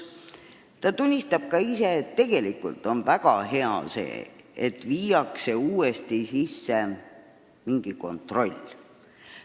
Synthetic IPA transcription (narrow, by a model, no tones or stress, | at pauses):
t̪ɑt̪unʲːist̪ɑb̥̚kɑise̞ːt̪ːe̞ɡ̥e̞likṵlt̪ˑo̞nvæɡ̥ɑɦe̞ɑ̰se̞̰ːet̪viːjɑkse̞uːest̪isisːe | miŋɡ̥iko̞̰nt̪ro̞lʲː